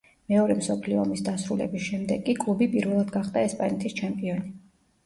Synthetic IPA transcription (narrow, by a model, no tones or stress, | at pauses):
mɛɔɾɛmsɔpʰliɔɔmisd̪asɾulɛ̰bisʃɛmd̪ɛɡkʼːikʼlˠubipʼiɾvɛlˠad̪ɡaχd̪aɛspʼanɛt̪ʰist͡ʃʰɛmpʼiɔni